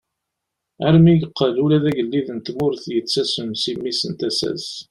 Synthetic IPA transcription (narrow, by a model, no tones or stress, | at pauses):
æɾmiɡqʰːəlulæðæʝəlːiðənt̪mʊɾθjət͡sːæsənsimːisənt̪æsæ̰s